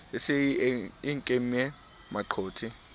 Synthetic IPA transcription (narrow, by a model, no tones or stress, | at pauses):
ɪsɪɪŋkʼem̩ɛ | maǃʰoːtʰi